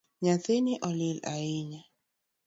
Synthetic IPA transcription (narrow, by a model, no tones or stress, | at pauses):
ɲaθenɪʔɔlɪla̰ɪɲa